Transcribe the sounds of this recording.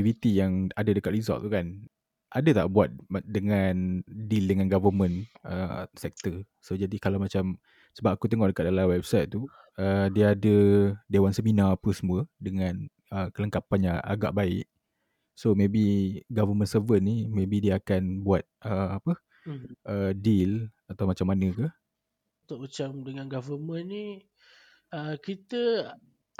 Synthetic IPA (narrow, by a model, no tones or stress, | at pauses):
ivit̪ijaŋadədəkat̪̚rizɔ̰t̪ːukan | ʔadət̪a̰ʔbuat̪̚dəŋandildəŋanɡavəmə̃nəsɛk̚t̪ə | sod͡ʒadikalawmat͡ʃam | səbap̚akut̪əŋɔhdəkat̪̚dalawɛb̚sajt̪̚t̪ːu | ədiaadədewansəminaːpəsəmũədəŋãn | əkələŋkapanjãŋʔa̰ɡa̰ʔbaɪʔ | somẽbiɡavəmə̃nsəvənnimẽbidiəakanbuat̪̚ʔəapə | ʔədil | at̪awmat͡ʃamːanə̃ka | t̪ʊʔ̚mat͡ʃamdəŋanɡavəmə̃nni | əkit̪ə